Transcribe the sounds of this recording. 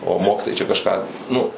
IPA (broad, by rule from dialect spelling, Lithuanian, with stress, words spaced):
oː ˈmoːkʲɪtoːjɛɪ t͡ʃʲɛ kɐʃˈkɑː ˈnʊ